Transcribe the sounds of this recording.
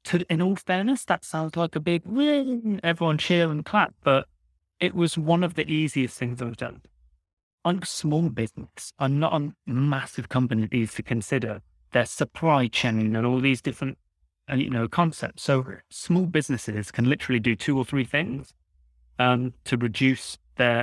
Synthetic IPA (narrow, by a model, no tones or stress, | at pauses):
tʰɨɪ̃nɔlˠfɛɹnəsðətsãʊ̃ndzlaɪkəbɪɡwɪ̃nnɛvɹiwʌ̃nt͡ʃʰɪlˠə̃nkʰl̥at̚b̥ʌɾ | ɪʔwʌzwʌ̃nʌvðiʔiziɨstθɪ̃ŋzðəɪvdʌ̰̃n | ʌ̃ɪ̃nsmɔlˠbɪznɨsə̃mnəɾn̩masɨv̥kʰʌ̃mpɨniɨʔiʉz̥tʰɨkʰɨ̃nsɪɾə˞ | ðə˞səpʰɹ̥aɪt͡ʃʰɛ̃nɪ̃nə̃nɔlˠðizdɪfɹə̃nt̚ | ʌjɨ̰noʊkʰɑ̃nsɛ̰p̚tsoʊsmɔlˠbɪznɨsɪz̥kʰɨ̃nlɪɾə˞l̩ˠidɨtʰʉə˞θɹiθɪ̃ŋz̥ | ʌ̃mtʰɨɹɨd͡ʒʉsðə˞